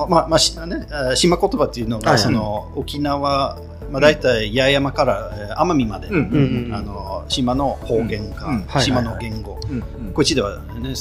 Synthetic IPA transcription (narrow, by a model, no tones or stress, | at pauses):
mamaɕineɕimako̞t̪o̞bat̪ːeiɯ̟noɡso̞no̞okʲinaβa | mad̪ait̪aijajamakaɾaeamamʲimad̪e̞ano̞ɕimano̞ho̞ːɡẽ̞ŋkãhɕimano̞ɡẽ̞ŋɡo̞ | koit͡ɕid̪e̞βa̰ | ne